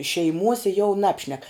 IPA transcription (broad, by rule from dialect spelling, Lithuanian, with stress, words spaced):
ʃʲɛɪˈmuɔsʲɛ jɛʊ ˈnɑːpʲʃʲnʲɛk